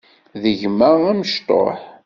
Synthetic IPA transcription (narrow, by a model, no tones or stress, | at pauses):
ðəʝməʁæməʃt̪o̰ħ